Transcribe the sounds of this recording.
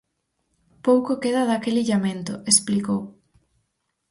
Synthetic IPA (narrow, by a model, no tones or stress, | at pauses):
powkokeðaðakeliʎamẽnt̪ʊesplikow